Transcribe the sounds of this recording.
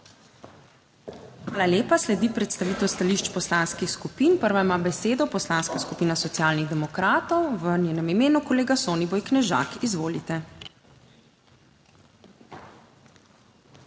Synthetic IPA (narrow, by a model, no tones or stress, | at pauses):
ʋaːlaljeːpaslɛd̪ipɾɛt̪st̪aʋiːt̪ɛwst̪aliʃt͡ʃpɔslanskixskupiːnpəɾʋaimabɛseːd̪ɔpɔslaːnskaskupiːnasɔt̪sjaːlniɣd̪ɛmɔkɾaːt̪ɔwʋənʲjeːnɛmimeːnukɔleːɡasoːnibojknɛʒa̰ːkizʋoːlit̪ɛ